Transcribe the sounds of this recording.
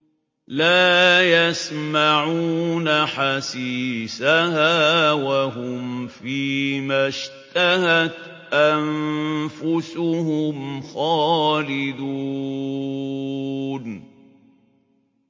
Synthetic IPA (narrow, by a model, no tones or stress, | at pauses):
laːjasmaʕuːnaħasiːsahaːwaɦʊmfiːmaʃt̪ahat̪ | ʔanfʊsʊhʊmxaːlɪd̪u | n